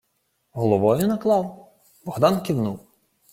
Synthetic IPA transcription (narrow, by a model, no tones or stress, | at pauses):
ɦɔlˠɔʋɔjʊnɐklˠɑw | bɔɣd̪ɑnkʲiwnuw